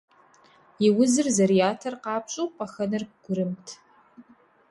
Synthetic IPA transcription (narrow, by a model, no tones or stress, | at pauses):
iwʊzɨrzɐɾijaːtʰɐrqɑːpɕʼupʼɐxɐnɨr̚ɡʷʊɾɨmtʰ